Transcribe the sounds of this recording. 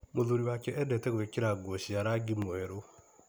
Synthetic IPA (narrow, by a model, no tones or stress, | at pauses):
moðuɾiwakɛʔɛdɛtɛɡuɛkiɾaɡwoʃiaɾaɡimɔɛɾo